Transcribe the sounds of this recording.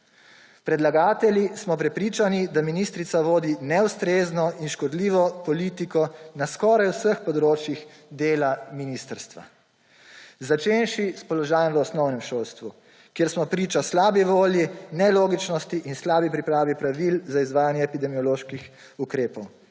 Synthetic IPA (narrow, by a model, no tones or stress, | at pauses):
pɾɛd̪laɡaːt̪ɛlʲjismɔpɾɛpɾiːt͡ʃanid̪aminist̪ɾit̪saʋoːd̪inɛwst̪ɾeːznɔinʃkɔd̪liːʋɔpɔlit̪ikɔnaskɔɾajwsəxpɔd̪ɾoːt͡ʃjix | d̪eːlaminiːst̪əɾst̪ʋa̰ | zat͡ʃenʃispɔlɔʒaːjɛ̃mʋəɔsnɔwnɛmʃoːlst̪ʋu | kjeɾsmɔpɾiːt͡ʃaslaːbiʋoːljinɛloːɡit͡ʃnɔst̪iʔinslaːbipɾipɾaːʋipɾaʋilzaizʋaːjanjɛːpid̪ɛmiɔloʃkix | ukɾeːpɔw